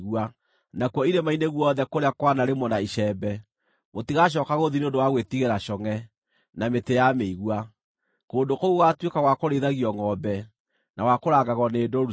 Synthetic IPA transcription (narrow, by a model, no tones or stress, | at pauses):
ɣua | nakwɔiɾemaineɣwɔðɛkoɾeakwanaɾemɔnaiʃɛbɛ | motiɣaʃ̬ɔːkaɣoðineondowaɣwetiɣeɾaʃɔŋɛ | nametejameiɣua | koːndokoɣoɣatwekaɣwakoɾeðaɣiɔŋɔbɛ | nawakoɾaːɡaɣɔneːdɔɾu